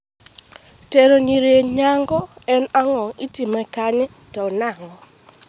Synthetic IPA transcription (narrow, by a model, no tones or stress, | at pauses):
teɾoɲiɾjeɲaŋɡɔɛnaŋɔŋitimɛkaɲɪ | tɔnaŋɔ